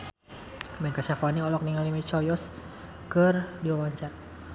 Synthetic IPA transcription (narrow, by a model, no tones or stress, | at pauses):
bɛnkaʃafaniɔlɔk̚niŋalimit͡ʃaljɔs | kərdiwawaɲt͡ʃar